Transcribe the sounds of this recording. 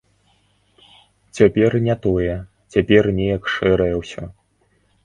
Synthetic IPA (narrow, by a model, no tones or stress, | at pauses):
t͡sʲapʲɛrnʲɛt̪ɔjɛ | t͡sʲapʲɛrnʲɛjɐkʂɛɾɐjɛwsʲɔ